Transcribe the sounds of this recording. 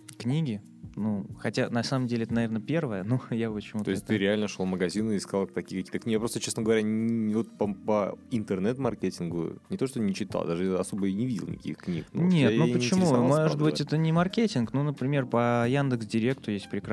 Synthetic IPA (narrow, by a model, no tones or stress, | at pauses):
knʲiɡʲɪ | nuxɐtʲanɐsaməmdʲelʲɪɛt̪nɐvʲernəpʲe̞rvəjənujavot͡ɕɪmut̪oɪst̚ʲt̪ɨɾʲɪalʲnəʂlˠoməɡɐzʲinɨɪskalˠt̪ɐkʲijəkɐkʲiːt̪əknʲiɡʲjapɾost̪ət͡ɕesnəɡəvɐɾʲanʲvot̪̚pəpəɪnt̪ɨrnɛt̪mɐrkʲetʲɪnɡʊ̰nʲɪt̪oʂt̪ojnʲɪt͡ɕɪt̪a̰d̪aʐɨjaɐso̞bəjnʲɪvʲidʲɪlˠnʲɪ̰kʲḭxknʲḭknonʲet̪jnupət͡ɕɪmumoʐɨt̪bɨtʲɛt̪ənʲɪmɐrkʲetʲɪnknunəpɾʲɪmʲe̞rpəjand̪ɨksdʲɪɾʲe̞kt̪ʊjesʲt̚ʲpɾʲɪkɾ